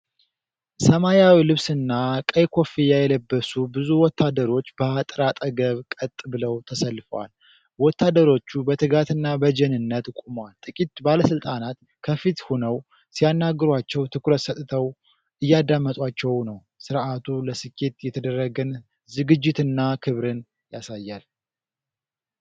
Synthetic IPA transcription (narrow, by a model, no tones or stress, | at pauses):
səmajawilɨβsɨnːakʼəjkʰo̞fijajɛləbːəsubɨzuwɔt̪ʰːad̪əɾo̞t͡ʃːbəat̪ʼɾat̪ʼəɡəβkʼət̪ʼːbɨləwt̪ʰəsəlːɨfəwa̰l | wɔt̪ʰːad̪əɾo̞t͡ʃːubət̪ʰɨɡat̪ʰɨnːabəd͡ʒɛnɨnːət̪kʼumwalt̪ʼɨkʼit̪baləsɨlt̪ʼanat̪ | kʰəfit̪honəw | sijanːaɡɨɾwat͡ʃːɛwt̪ʰɨkɾət̪sət̪ʼɨt̪ʰəw | ʔɨjːad̪amːət̪ʼwat͡ʃːɛwnəw | sɨɾʔat̪ʰuləsɨkʰːe̞t̪jɛt̪ʰəd̪ərːəɡən | zɨɡɨd͡ʒːɪt̪ɨnːakʰɨβɾɨn | jasajːal